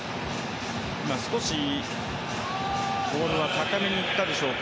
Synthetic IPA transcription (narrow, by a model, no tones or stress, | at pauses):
imasɨ̥ko̞ɕi | ɡoːɾɯ̃βat̪akame̞ɲ̟iːt̪ːad̪e̞ɕo̞ːk